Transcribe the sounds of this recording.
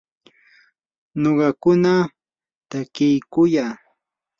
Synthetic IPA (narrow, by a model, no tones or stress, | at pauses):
noɢɑkʊna | t̪akɪjkʊjaː